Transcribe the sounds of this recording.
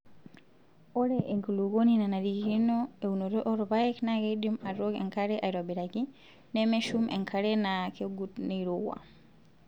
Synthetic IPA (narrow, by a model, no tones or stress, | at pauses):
ɔɾɛʔɛŋkuluɡoninanaɾikinɔeunɔɾɔʔɔɾɔbajɛknaɡedimaɾɔɡɛ̰ŋkaɾɛʔajɾwabiɾaɡi | nɛmɛʃumʔɛ̰ŋkʰaɾɛnakʰɛɡutniɾɔwa̰